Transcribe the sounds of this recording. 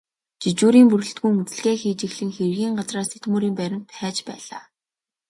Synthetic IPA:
t͡ɕit͡ɕuːɾiːmpɵrɵ̆ɬt̪ɡujŋɵt͡sɘ̆ɮɣeːxiːt͡ɕɪ̆xɮɘ̆ŋxerɣiːɴɢat͡sraːst̪ʰet̪muːɾiːmpæɾʲɪ̆mpʰæːt͡ɕpæːɮaː

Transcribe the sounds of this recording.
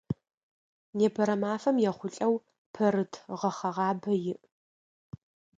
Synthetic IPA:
neːpʰɐɾɐmaːfɐmjɛχʷʊɬʼɐw | pʰɐɾɨtʰʁɐχɐʁɑːbɐjɪʔ

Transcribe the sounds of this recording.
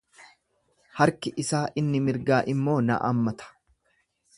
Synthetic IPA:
hɐɾkɪʔɪsaːʔɪnːɪmɪɾɡaːʔɪmːo̞ːnɐ̰ʔa̰ːmːɐt̪ʰɐ̥

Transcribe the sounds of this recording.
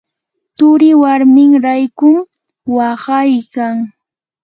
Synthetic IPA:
t̪ʊɾɪwaɾmɪŋɾajkʊm | wɑɢɑjkaŋ

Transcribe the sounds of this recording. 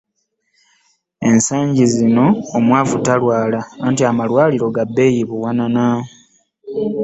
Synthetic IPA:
e̞nsaːɲɟizino̞ːmwaːvutalwaːlaːntiamalwaːliɾo̞ɡabːe̞jiβuwanana

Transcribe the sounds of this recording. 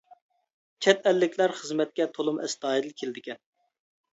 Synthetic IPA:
t͡ʃʰɛt̪ɛlːɪkʲlæɾχəzmɛt̪̚kʲɛt̪ʰolˠumʔɛ̰st̪ɑːid̪ɨlkʲʰeld̪ɪkʲɛn

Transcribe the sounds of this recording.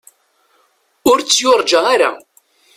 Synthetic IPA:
ʊɾt͡sːjʊɾˤd͡ʒaaɾa̰

